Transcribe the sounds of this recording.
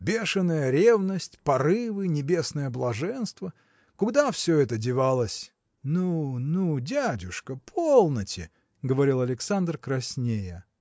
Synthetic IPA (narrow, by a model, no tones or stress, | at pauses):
bʲe̞ʂɨnːəjəɾʲe̞vnəsʲtʲpɐɾɨvɨnʲɪbʲe̞snəjəblˠɐʐɛnst̪və | kʊɡd̪afsʲɵɛt̪ədʲɪvalˠəsʲ | nunudʲædʲʊʂkəpʰolˠnətʲɪ̰ | ɡəvɐɾʲilˠɐlʲɪksand̪rkɾɐsʲnʲejə